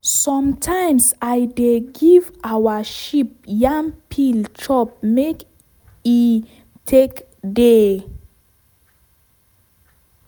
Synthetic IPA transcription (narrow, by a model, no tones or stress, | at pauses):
sɔ̃mtʰãjmsajdeɡivawaʃip̚jãmpʰilt͡ʃɔp̚mek | i | tʰek | de